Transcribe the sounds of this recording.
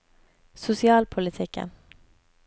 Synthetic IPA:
sʊsɪɑːlpʰʊlɪt̪ʰɪkə̰n

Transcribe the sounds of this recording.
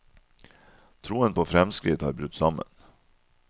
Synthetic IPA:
t̪ʰɾuːənpʰoːfɾɛmskɾɪt̪hɑ̰ːɾbɾʉt̪ːsɑmə̰n

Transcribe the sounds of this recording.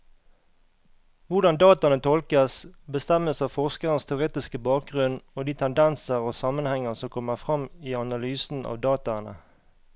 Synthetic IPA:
ʋʊʁd̪ɑnd̪ɑːt̪ɑnət̪ʰɔlkəsbəst̪ɛməsɑːʋfɔʁskəʁənst̪ʰɛʉʁeːt̪ɪskəbɑːk̚ɡʁʉnoːd̪iːt̪ʰɛnd̪ɛnsəʁoːsɑmənhɛŋəsɔmkʰɔmːəʁfʁɑmiːɑnɑlyːsn̩ɑ̰ːʋd̪ɑːt̪ɑnə̰

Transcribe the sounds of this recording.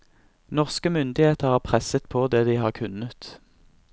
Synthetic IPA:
nɔʁskəmʏnd̪ɪheːt̪əʁhɑːʁpʰʁɛsət̪pʰoːd̪eːd̪iːhɑːʁkʰʉnət̪

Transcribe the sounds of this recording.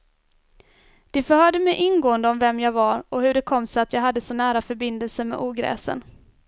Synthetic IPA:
d̪̥ɛfœɾhœːɖəmɛjʔɪnɡoːənd̪əɔmvɛmːjɑːɡvaɾɔhɵɖɛkʰɔmːsɔat̪jɑːɡɦad̪ːəsɔnæːɾafœɾbɪnd̪əlsəmɛ̰ʔuːɡɾɛ̰ːsə̰n

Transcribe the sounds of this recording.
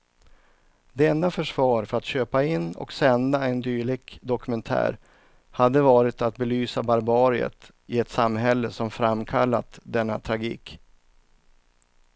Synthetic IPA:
d̪ɛɛnd̪afœʂvɑːɾfœɾat̪ɕøːpaɪnːɔ̰ksɛnd̪aɛnd̪yːɭɪɡd̪ɔkɵmɛnt̪ʰæ̰ːɾ | had̪ːəvɑːɾɪt̪at̪̚bɛlyːsabaɾbɑːɾɪə̰t̪ | ɪɛt̪samːɦɛlːəsɔmfɾamːkʰalːat̪d̪ɛnːat̪ʰɾaɡḭːk

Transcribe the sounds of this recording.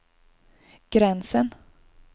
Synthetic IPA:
ɡ̥ɾɛnsən

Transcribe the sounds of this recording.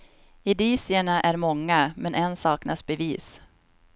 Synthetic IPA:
ɪd̪iːsɪəɳaʔæɾmɔŋːamɛnʔɛnsɑːknasbɛviːs

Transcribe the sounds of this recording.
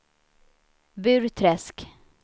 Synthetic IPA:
bʉ̟ːɾt̪ʰɾɛsk

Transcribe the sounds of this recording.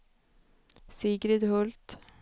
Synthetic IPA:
siːɡɾɪd̪hɔlt̪

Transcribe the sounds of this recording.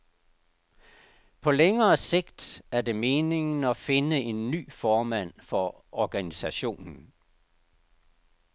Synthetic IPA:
pʰɒ̽leŋɐːse̝ɡ̥̚d̥æɐde̝me̝ːne̝ŋn̩ɒfe̝nəe̝nːy̰ːfɒːmæn̰fɒ̽ | ɒɡ̥ænisæɕo̝̰ːnn̩

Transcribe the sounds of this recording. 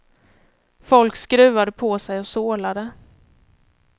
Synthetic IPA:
fɔlkskɾʉ̟ːad̪əpʰɔsɛjɔsoːlad̪ə

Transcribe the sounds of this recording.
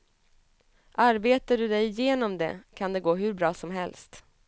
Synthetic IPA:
ʔaɾbeːt̪aɖɵd̪ɛjɪjeːnɔmd̪ɛ̰kʰand̪ɛɡoːɦɵɾbɾɑːsɔmɦɛlst̪

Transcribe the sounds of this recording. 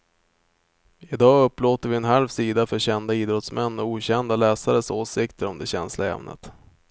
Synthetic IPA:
ɪd̪ɑːɵpːloːt̪əɾvɪɛnɦalvsiːd̪afœɕɛnd̪aiːd̪ɾɔt̪smɛnːɔuːɕɛnd̪alɛːsaɾəsoːsɪkt̪ʰəɾɔmd̪ɛɕɛnslaɾɛ̰mnʔə̰t̪

